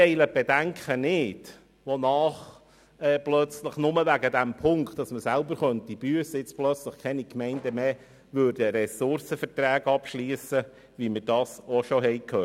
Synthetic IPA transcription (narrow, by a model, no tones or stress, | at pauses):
ɛɪləb̥ɛdæŋkχənɪd̥ | ʋɔnɑːχ | ɛːplœt͡sləχnʊməʋæɡədæmpʰʊŋktɑsməsælbəɾχœntib̥yəsəɪt͡splœt͡sləχkʰɛnikmɛɪndəmeː | ʋøːɾdəɾɛsʊrsəfətɾæːɡɑpʃliːəsə | ʋimɪɾd̥ɑːsɔʃɔɦɛɪjkʰhøːt